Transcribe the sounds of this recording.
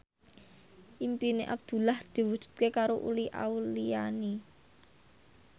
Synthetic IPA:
ʔimpineʔa̰b̚d̪̥ṳlahd̪̥i̤wud̥ʒ̥ṳ̥t̪̚kekaɾoʔṵliʔa̰uliani

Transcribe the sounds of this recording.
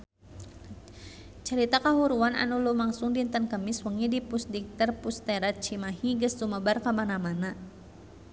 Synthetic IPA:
t͡ʃəɾit̪akaɦuɾuana̰nulumaŋsʊŋdint̪ənkəmɪswəŋidipusdik̚t̪ərpust̪ɛɾat͡ʃimaɦiɡəst̪uməbarkamanamana

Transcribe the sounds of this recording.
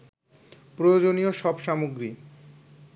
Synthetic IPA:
pɾojod͡ʑonioʃɔbʃamoɡɾi

